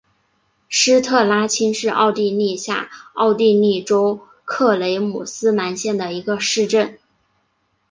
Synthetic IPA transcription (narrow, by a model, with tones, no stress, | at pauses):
ʂɻ̩˥t̪ʰɤ˥˩la˥t͡ɕʰi˥nʂɻ̩˥˧ʔɑ̰˥˧ʊt̪i˥˧ni˥˧ɕja̰˥˩ɑ˥˧ʊt̪i˥˧ni˥˩ʈ͡ʂo˥ʊ | kʰɤ˥˩le˧˥ɪmu˨˩sɹ̩˥ma˧˥nɕjɛ˥˩nd̪ə˩i˧˥ɡə˧ʂɻ̩˥˧ʈ͡ʂə˥˩n